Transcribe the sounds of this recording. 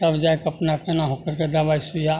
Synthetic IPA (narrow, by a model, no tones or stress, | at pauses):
t̪ɐbd͡ʒaekɐpnakɐnaɦokəɾkɐd̪abaːjsuja